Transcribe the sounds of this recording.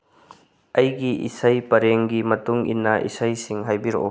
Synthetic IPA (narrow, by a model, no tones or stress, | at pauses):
ʔɐjɡiʔḭsɐjpɐɾeŋɡimɐtuŋḭnːɐʔḭsɐjsiŋɦajbiɾɔ̰ʔɔ